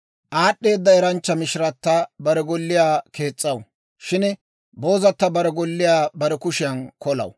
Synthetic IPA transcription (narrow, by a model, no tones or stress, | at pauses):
ʔaːɗːe̞ːd̪ːɐɛɾɐnt͡ʃːɐmɪʃɪɾɐt̪ːɐbɐɾɛɡɔlːɪjaːke̞ːt͡sʼːɐw | ʃɪn | bo̞ːzɐt̪ːɐbɐɾɛɡɔlːɪjaːbɐɾɛkʊʃɪjɐnkɔlɐ̰w